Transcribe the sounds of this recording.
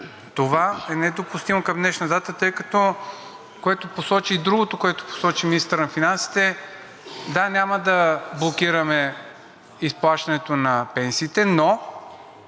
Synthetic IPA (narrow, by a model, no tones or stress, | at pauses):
t̪ovaɛnɛd̪opust̪imokɐmd̪nɛʃnɐd̪at̪ət̪ɤjkɐt̪ɔ | koɛt̪oposɔt͡ʃiːd̪ɾuɡot̪okoɛt̪o̥po̥sɔt͡ʃiminist̪ɾnɐfinansi̥t̪ɛ | d̪anʲaməd̪ɐblˠokiɾɐmɛ | isplˠaʃt̪ɐnɛt̪onɐpɛnsiːt̪ɛno